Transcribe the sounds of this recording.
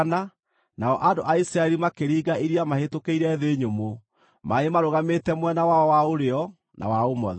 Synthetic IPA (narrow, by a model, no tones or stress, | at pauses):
na | naɔʔandoʔaisɾaɛɾimakeɾiːɡaiɾiamahetokeiɾɛðeɲomo | maemaɾoɣametɛmwɛnawaɔwaoɾeɔ | nʔa̰waomɔ̰ðɛ